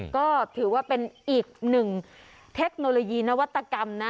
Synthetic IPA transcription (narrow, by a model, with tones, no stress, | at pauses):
kɔː˥˩t̪ʰɯː˩˦waː˥˩pe˧nʔiː˨˩k̚nɯ˨˩ŋ | t̪ʰe˦˥k̚noː˧loː˧jiː˧na˦˥wa˦˥t̪ːa˧ka˧mna˦˥